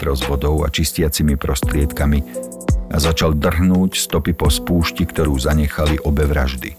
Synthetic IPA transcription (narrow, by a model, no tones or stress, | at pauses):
t̪ɾɔzʋɔd̪ɔʊa̰t͡ʃiscɪat͡simipɾɔst̪ɾɪɛt̪kami | azat͡ʃald̪r̩ɦnuːcst̪ɔpipɔspuːʃcikt̪ɔɾuːzaɲɛxaliʔɔbɛʋɾa̰ʒd̪ḭ